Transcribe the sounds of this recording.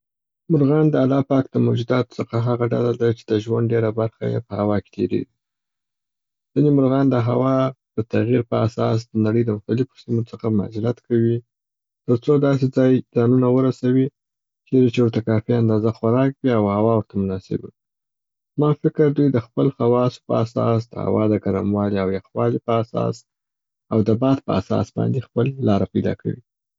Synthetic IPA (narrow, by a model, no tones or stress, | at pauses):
mʊɾɣɑnd̪əalɑpɑk̚d̪̥əmod͡ʒud̪ɑt̪t͡səxaɦaɣaɖa̰lad̪at͡ʃe̥d̪əʒwanɖɖeɾabaɾxa̰jḛpəhawɑke̥t̪ʰeɾḛɡi | z̥inemʊɾɣɑnd̪əɦawɑd̪̥ət̪aɣiɾpəasɑ̰s̬d̪ənaɽəjd̪əmʊxt̪alɪfo̥simot͡səxama̰zɪlat̪kʰawi | t̪əɾt͡sod̪ɑs̬ed͡zɑjd͡zɑnunawəɾasawi | t͡ʃeɾet͡ʃewʊɾt̪akɑfiand̪ɑzaxʊɾɑkbiawhawɑwəɾt̪amʊnɑsɪ̰bii | zmɑfɪkəɾd̪ujd̪əxpəlxawɑso̥pəasɑ̰s̬d̪əha̰wɑd̪əɡaɾa̰mwɑliawjaxwɑlipəasɑ̰s | awd̪əbɑd̪̚pəa̰sɑ̰sbɑ̰nd̪expəlːɑɾapajd̪ɑ̰kʰa̰wi